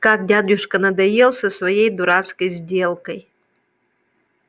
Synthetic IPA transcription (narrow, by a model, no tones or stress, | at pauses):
kak̚dʲadʲʊʂkənɐd̪ɐjelˠsəsvɐjejd̪ʊɾat̪skəjzʲdʲe̞lˠkəj